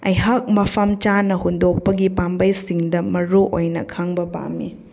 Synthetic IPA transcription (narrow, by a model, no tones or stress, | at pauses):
ɐ̰jɦɐk̚mɐpʰɐmt͡ʃanɐhundok̚pɐɡipambɐjsiŋdɐmɐɾuʔo̰jnɐ̰kʰaŋbɐba̰mi